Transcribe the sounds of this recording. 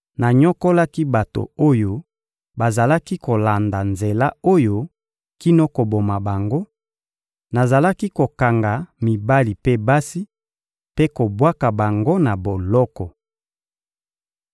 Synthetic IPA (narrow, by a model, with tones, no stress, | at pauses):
na˨ɲɔ˦ko˦la˦ki˦ba˨to̰˨o˦jo˦ | ba˨za˨la˦ki˦ko˨la˨nda˨nze˨la˦o˦jo˦ | ki˦no˦ko˨bo˨ma˨ba˨ŋɡo˦ | na˨za˨la˦ki˦ko˨ka˨ŋɡa˨mi˨ba˦li˨pe˦ba˦si˦ | pe˦ko˨bwa˦ka˨ba˨ŋɡo˦na˨bo˨lɔ˦kɔ˨